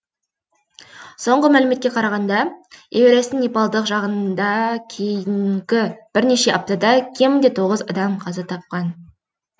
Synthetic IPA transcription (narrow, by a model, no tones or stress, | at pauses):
so̞ɴʁəmælɪme̞t̪kʲe̞qʰɑɾɑʁɑnd̪ɑeweɾesɪŋnipɑlˠd̪əqʒɑʁənd̪ɑkʲʰejɪŋŋɡʲɪb̥ɪɾne̞ʃe̞ʔɑp̚t̪ɑd̪ɑkʲʰe̞mɪnd̪e̞t̪ʰo̞ʁəzɑd̪ɑmqʰɑzɑt̪ʰɑp̚qɑn